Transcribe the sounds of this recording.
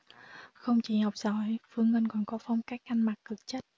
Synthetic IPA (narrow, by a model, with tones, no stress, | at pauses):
xə˧wŋ͡mt͡ɕi˧˨˩ha˨˩wk͡p̚zɔ˧˨jfɨ˧əŋlə˧nkɔ˨˩nkɔ˨˦fa˧wŋ͡mkaː˦˥k̚ʔa˧jŋma˨˩t̚kɨ˨˩k̚t͡ɕə˦˥t̚